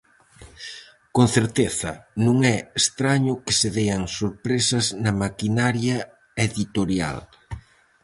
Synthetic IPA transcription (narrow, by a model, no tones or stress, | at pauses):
konθeɾt̪eθɐ̰nũŋɛest̪ɾaɲʊkɪseðɛjɐŋsoɾpɾesɐznɐmakinaɾjɐ | eðit̪oɾja̰l